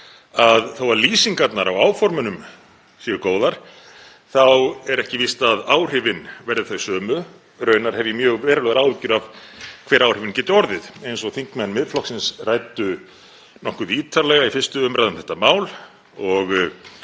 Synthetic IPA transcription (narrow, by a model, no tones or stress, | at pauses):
aðθowvaɾliːsiŋkat̪naɾawaːwfɔɾmʏnʏm | siɣɪkoːwðaɾ̥ | θawɛɾɛhcɪvist̪aðaːwr̥ɪvɪnvɛɾðɪθœɥsœːmʏ | rœːɥnaɾ̥hɛvjɪmjœːɣvɛːɾalœɣaɾaːwvɪcʏɾav̥kʰvɛːɾawr̥ɪvɪncɛːt̪ʏɔɾðɪðejnsɔɣθiŋ̥kmɛnːmɪðflɔksɪnsraːjt̪ʏ | nɔhkʏðiːt̪ʰaɾlɛɣaifɪn̥st̪ʏʏmɾajðʏmθɛ̥ht̪ːamaːwl | ɔɣ